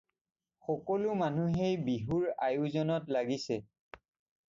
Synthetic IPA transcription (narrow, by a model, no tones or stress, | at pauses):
xɔkɔlʊmanuɦejbiɦuɹajʊzɔnɔtlaɡisɛ